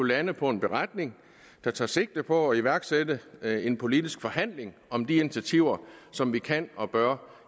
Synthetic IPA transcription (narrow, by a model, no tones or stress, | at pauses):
ulænəpʰɒ̽e̝nb̥e̝ʁad̥̚ne̝ŋ | d̥ɑ̈t͡sʰɑ̈ːse̝ɡ̥̚d̥əpʰɒ̽ːiʋæɐɡ̥sedəe̝npʰo̝lid̥isɡ̥fɒ̽hæn̰leŋɒ̽md̥iint͡sʰiæt͡sʰiʊ̰ɐsɒ̽mʋikʰæn̰ɒ̽b̥ɶɐ̰